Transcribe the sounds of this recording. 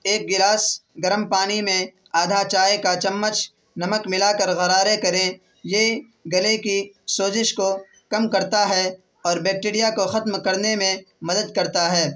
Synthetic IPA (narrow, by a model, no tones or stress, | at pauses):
eːk̚ɡɪlaːsɡɐɾəmpaːnimẽ | aːd̪ʱat͡ʃaːekat͡ʃɐmːət͡ʃ | nɐməkmɪlakɐɾɣɐɾaːɾekɐɾẽ | je | ɡɐlekisoːzɪʃko | kɐmkɐɾt̪aɦɛ | ɔːɾbɛːk̚ʈiːɾijakoxɐt̪mkɐɾnemẽmɐd̪əd̪̚kɐɾt̪aɦɛː